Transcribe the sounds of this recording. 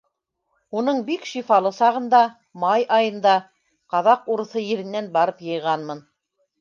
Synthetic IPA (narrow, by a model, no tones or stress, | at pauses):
unɤɴbikʃifɑlˠɤsɑʁɤ̆nd̪ɑ | mɑjʔɑjɤ̆nd̪ɑ | qɑðɑquɾɤ̆θɤjɘ̆ɾɘ̆nːænbɑɾɤpjɤ̆jʁɑnmɤn